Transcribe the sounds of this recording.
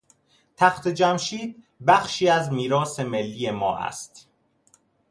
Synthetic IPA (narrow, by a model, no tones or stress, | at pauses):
t̪ʰæxt̪ʰe̞d͡ʒæmʃiːd̪̚ | bæxʃiːæzmiːɾɒːse̞me̞lːiːje̞mɒ̰ːʔæ̰st̪